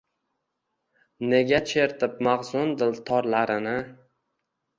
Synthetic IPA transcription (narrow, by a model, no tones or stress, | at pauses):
ne̞ɡʲat͡ʃʰe̞ɾt̪ʰɪp̚maʁzʊnd̪ɪlt̪ʰɒɾlaɾɪnɪ